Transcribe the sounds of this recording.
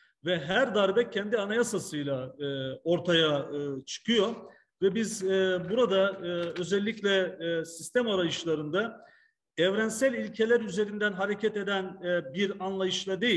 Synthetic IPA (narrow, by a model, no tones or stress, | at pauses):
vɛɦæɾd̪aɾbɛcʰɛnd̪ianajasasɯjlˠaɯːo̞ɾt̪ʰajaɯt͡ʃʰɯ̥kʰɯjo̞ | vɛbizbuɾad̪aɯø̞zɛlʲːiclʲɛsist̪ʰɛmaɾajɯʃlˠaɾɯnd̪a | ɛvɾænsælʲilʲcʰe̞lʲæɾyze̞ɾind̪ænɦaɾecʰɛt̪e̞d̪ænbiɾanlˠajɯʃlˠad̪e̞ji